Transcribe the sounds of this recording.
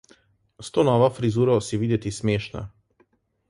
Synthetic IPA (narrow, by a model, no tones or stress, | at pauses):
st̪ɔnɔʋafɾizuːɾɔsiʋid̪ɛt̪ismjɛːʃna̰